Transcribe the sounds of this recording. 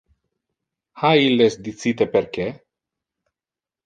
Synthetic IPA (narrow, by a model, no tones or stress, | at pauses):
hailːesd̪it̪sit̪epeɾke